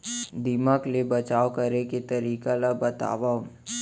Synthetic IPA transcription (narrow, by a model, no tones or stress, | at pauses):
d̪ɪmaːklebɐt͡ʃaːokɐɾeket̪ɐɾiːkalabɐt̪a̰ːʋa